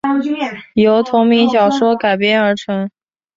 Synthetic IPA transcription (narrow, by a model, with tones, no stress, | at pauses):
jo˧˥ʊt̪ʰʊ˧˥ŋmi˧˥ŋɕjɑ˨˩ʊʂwɔ˥ka˨˩ɪpjɛ˥nə˞˧˥ʈ͡ʂʰɤ˧˥ŋ